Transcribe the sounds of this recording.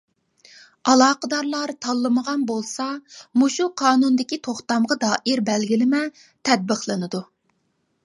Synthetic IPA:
ɑlˠɑːqəd̪ɑɾlˠɑɾt̪ʰɑlˠːɨməʁɑnbolˠsɑmuʃuqʰɑːnund̪ɪkʲit̪ʰoχt̪ɑmʁɑd̪ɑːʔɪɾbɛlɡʲilɪmɛ | t̪ʰɛd̪̚bəqlˠɨnɨd̪u

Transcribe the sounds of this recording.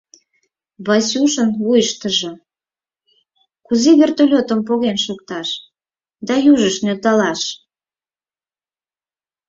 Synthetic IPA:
βɑsuʃənβujəʃt̪əʒŏ | kuzeβʲert̪olʲot̪əmp̬oɣenʃok̚t̪ɑʃ | d̪ɑjuʒəʃnølt̪ɑlɑʃ

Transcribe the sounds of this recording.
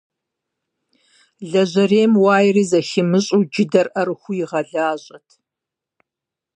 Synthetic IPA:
ɮɐʑɐreːmwaːjriːzɐʃɪmɨɕʼud͡ʒɪdɐrʔɐrxʷʊjɪʁɐɮaːɕʼɐtʰ

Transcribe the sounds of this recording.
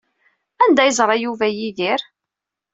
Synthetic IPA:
ænd̪æjəzˤɾˤɑjuvæjiðiɾ

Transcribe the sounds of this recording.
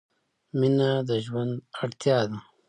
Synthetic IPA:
minad̪əʒwand̪aɽt̪jɑːd̪a

